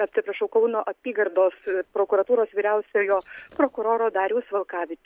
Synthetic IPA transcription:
ɐpʲsʲɪpɾɐʃɐʊkɐʊnoːʔɐpʲiːɡɐɾd̪oːspɾoːkʊɾɐt̪uːɾoːsʋʲiːɾʲɛʊsʲoːjoːpɾoːkʊɾoːɾoːd̪ɑːɾʲuːsʋɐlˠkɑːʋʲɪt͡ʃʲ

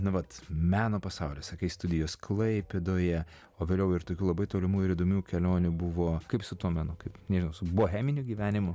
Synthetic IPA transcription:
nʊʋɐt̪mʲæːnoːpɐsɑʊlʲeːsɐkɐɪst̪ʊd̪ʲɪjoːsklˠɐɪpʲed̪oːjɛ | oːʋʲeːlʲɛʊɪɾt̪oːkʲuːlˠɐbɐɪt̪oːlʲɪmuːɪɾiːd̪oːmʲuːkʲɛlʲoːnʲubʊʋoːkɐɪpsʊt̪uɔmʲɛnʊkɐɪpnʲɛʒʲɪnɐʊsʊboːɦʲæːmʲɪnʲuɡʲiːʋʲæːnʲɪmʊ

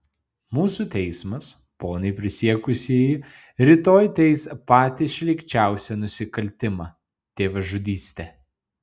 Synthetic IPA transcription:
muːsuːt̪ʲɛɪsmɐs | poːnɐɪpʲɾʲɪsʲiɛkʊsʲiɛjɪ | ɾʲɪt̪oːjt̪ʲɛɪspɑːt̪ʲɪʃʲlʲɪkʲt͡ʃʲæˑʊsʲɛnʊsʲɪkɐlʲt̪ʲɪmɑː | t̪ʲeːʋɐʒʊd̪ʲiːsʲt̪ʲɛ

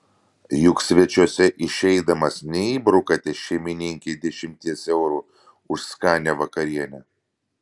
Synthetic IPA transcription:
jʊksʲʋʲɛt͡ʃʲuɔsʲɛʔɪʃʲɛɪd̪ɐmɐsnʲɛiːbɾʊkɐt̪ʲɛʃʲɛɪmʲɪnʲɪŋʲkʲeːd̪ʲɛʃʲɪmʲt̪ʲiɛsɛʊɾuː | ʊʃskɑːnʲɛʋɐkɐɾʲiɛnʲɛ

